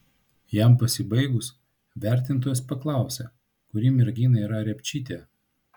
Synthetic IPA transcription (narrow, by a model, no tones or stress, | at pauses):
jɛmpɐsʲɪbɐɪɡʊs | ʋʲæˑɾʲt̪ʲɪnt̪oːjɛspɐklˠɑˑʊsʲɛ | kʊɾʲiːmʲɪɾʲɡʲiːnɐiːɾɐɾʲɛpʲt͡ʃʲiːt̪ʲeː